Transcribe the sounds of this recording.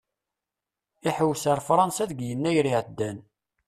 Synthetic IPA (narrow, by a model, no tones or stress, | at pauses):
iħəwːsəɾfɾˤɑnsæðɡjənːæjɾiʕəd̪ːæn